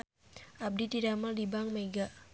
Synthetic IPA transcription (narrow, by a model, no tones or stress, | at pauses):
ʔab̚dit̪idamaldibaŋmeɡa